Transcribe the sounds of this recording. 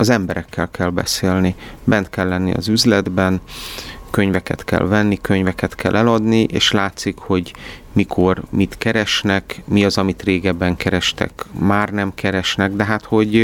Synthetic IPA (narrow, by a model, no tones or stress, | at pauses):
ɒzɛmbɛɾɛkːɛlkʰɛlbɛ̰seːlnibɛnt̪kɛlːɛnːḭɒ̰zyzlɛd̪bɛn | kø̞ɲvɛkɛ̰t̪kɛ̰lvɛnːikø̞ɲvɛkɛt̪kʰɛ̰lʔɛlɒd̪niʔḛːʃlaːt̪sikho̞ɟmikʰo̞rmit̪kɛɾɛʃnɛkmiɒzɒmit̪reːɡɛbːɛŋkɛɾɛʃt̪ɛ̰kmaːrnɛmkɛɾɛʃnɛɡd̪ɛɦat̪ho̞ɟ